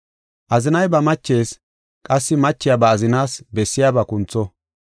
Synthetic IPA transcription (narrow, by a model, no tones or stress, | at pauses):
ʔɐzɪnɐjbɐmɐt͡ʃːe̞ːs | kʼɐsːɪmɐt͡ʃːɪjabɐːzɪnaːsbɛsːɪjaːbɐkʊnt͡sːɔ